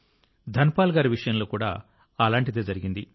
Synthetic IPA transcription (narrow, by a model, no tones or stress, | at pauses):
d̪ʱɐnpaːlɡaːɾiʋiʂɐjɐnlo̞ːkuːɽa̰ː | ɐlaːɳʈid̪e̞ːd͡ʒɐɾiɡind̪i